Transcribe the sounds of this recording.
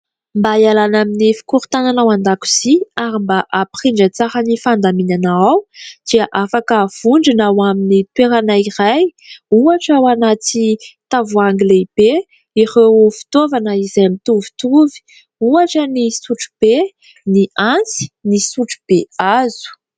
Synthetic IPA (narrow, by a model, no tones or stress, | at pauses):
mbajalanaminifi̥kuɾt̪ananawand̪aku̥z̥iaɾimbaʔapχiɳɖ͡ʐət͡saɾənifand̪aminanaawd̪̥iaʔafakəv̥uɳɖ͡ʐinawaminit̪weɾanaiɾajuaʈ͡ʂawanat̪it̪avuaŋɡleb̥e | iʁewfi̥t̪ovanəizajamit̪uvi̥t̪uvi̥ | uaʈ͡ʂənisuʈ͡ʂu̥b̥e | niant͡si̥nisuʈ͡ʂu̥b̥eaz̥u̥